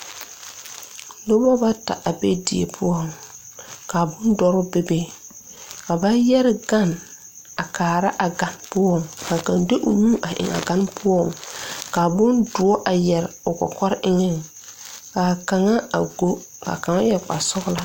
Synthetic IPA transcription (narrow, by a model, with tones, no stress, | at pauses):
lo˦bɔ˦ba˦ta̰˨ʔa˨bḛ˦di˨ḛ˨pʰʊ˦ɔ˦˨m | ka˨bʊ˦ndɔ˦ɾʊ˦be˦be˦ | ka˨ba˦jɛ˦ɾɪ˨ɡa˦˨n | a˨kaː˨ɾa˦ʔa˨ɡa˨npʊ˦ɔ˦˨ŋka˨ka˨nde˦ʔʊ˨ɲuː˦ʔa˨ʔɪ̰˨ŋa̰˨ɡa˦npʰʊ˦ɔ˦˨ŋka˨bʊ˦ndʊ˨ɔ˦ʔa˨jɛ˨ɾʊ˨kɔ̰˨kɔ˦ɾʔɪ˦ŋɛ˦˨ŋ | ka˨ka˨ŋa˦a˨ɡo˦ka̰˨ka˨ŋa˦jɛ˨k͡pa̰˨sʊ˦ɣla˦